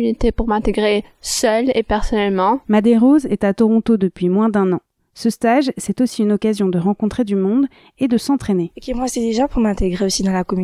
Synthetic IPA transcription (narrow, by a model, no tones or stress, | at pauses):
ynit̪epuʁmɛ̃t̪eɡʁesœlepɛʁsɔnɛlmɑ̃mad̪eʁozɛt̪at̪ɔʁɔ̃t̪od̪əpɥimwɛ̃d̪ɛ̃nɑ̃ | səst̪aʒsɛt̪osiynɔkazjɔ̃d̪əʁɑ̃kɔ̃t̪χed̪ymɔ̃d̪ | ed̪əsɑ̃t̪χenekʲiɛmwɛ̃t̪eliʒɑ̃puʁmɛ̃t̪eɡʁeosid̪ɑ̃lakɔmy